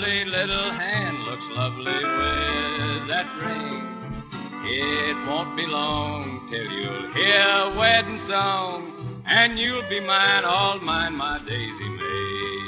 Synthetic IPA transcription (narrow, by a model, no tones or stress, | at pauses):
lilɪɾl̩ˠɦæ̃ndˡlʊkslʌvliwɪðɨt̚ɹɪ̃ŋ | ɪt̚wõʊ̃n̚b̥ilɔ̃ŋtʰɪlˠjʉ̰lˠhiɹəwɛdⁿn̩sɔŋ | ɨ̃njʉlˠbimãɪ̃nɔlˠmãɪ̃nmaɪdeɪzḭme